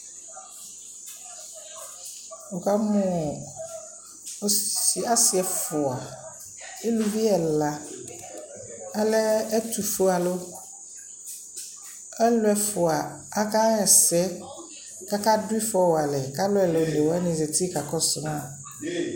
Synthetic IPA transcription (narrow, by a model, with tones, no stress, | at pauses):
o˨ka˦mɔ̃˨˦ | i˨a˦si˨ɛ˨fʊ˨a˨ | e˦lu˦vi˦ɛ˨la˨ | a˦lɛ˦ɛ˦t̪u˨fo˦a˨lo˦ | ɛ˦lʊ˦ɛ˨fʊ˨a˨ | a˦ka˦ɛ˨sɛ˦ | ka˦ka˦dʊ˦i˦fɔ˦wa˨lɛ˨ka˦lʊ˦ɛ˨lo˨ne˨wɛ˦nĩ˨ze˨t̪i˦ka˨kɔ˦sʊ˨m˦a˨